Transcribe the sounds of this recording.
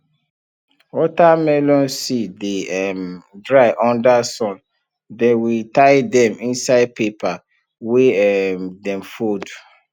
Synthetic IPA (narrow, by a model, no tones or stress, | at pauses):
ɔtamɛlɔ̃nsideɛmdɹaɪʔɔ̃ndasɔ̃n | dɛwitaɪdɛ̃mĩnsaɪd̚pepʰa | weɛmdɛ̃mfod